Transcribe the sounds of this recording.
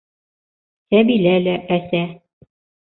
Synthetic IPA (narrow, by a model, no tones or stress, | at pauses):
t̪æbilælæʔæsæ